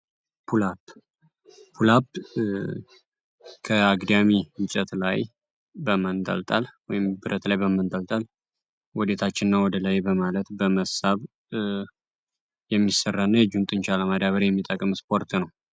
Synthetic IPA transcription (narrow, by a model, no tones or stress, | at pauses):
pʰulap | pʰulap | kʰəaɡd̪amiɨt͡ʃʼɛt̪la̰j | bəmənt̪ʼə̰lt̪ʼalwɔjɪmbɨɾət̪lajbəmɨnt̪ʼəlt̪ʼal | wɔd̪et̪ʰat͡ʃːɪnːawɔd̪əlajbəmalət̪bəməsaβ | jɛmːisərːanːəjɛd͡ʒunt̪ʼɨnt͡ʃaləmad̪aβəɾjɛmːit̪ʼəkʼɨmspʰo̞ɾt̪nəw